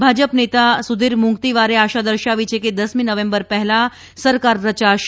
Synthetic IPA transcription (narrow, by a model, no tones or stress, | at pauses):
bʱad͡ʒəpnet̪asud̪ʱiɾmuŋɡt̪iʋaɾeaʃad̪əɾʃaʋit͡ʃʰeked̪əsminəʋẽmbəɾpɛɦɛla | səɾkaɾːət͡ʃaʃ